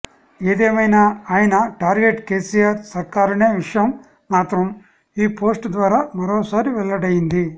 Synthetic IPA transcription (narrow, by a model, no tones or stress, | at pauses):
e̞ːd̪eːmɐjnaːaːjɐnɐʈaːɾɡeʈke̞ːsijaːɾsɐɾkaːɾɐne̞ːʋiʂɐjɐmː | aːt̪ɾɐm | iːpo̞ːsʈd̪ʋaːɾaːmɐɾoːsaːɾiʋɛɭːɐɽɐjind̪i